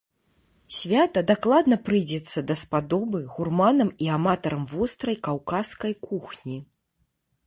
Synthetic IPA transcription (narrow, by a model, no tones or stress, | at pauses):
sʲvʲat̪ɐd̪aklˠad̪nɐpɾɨjd͡zʲɛt̪sːɐd̪ɐspad̪ɔbɨɣurmanɐmiamat̪ɐɾɐmvɔst̪ɾɐjkawkaskɐjkuxnʲi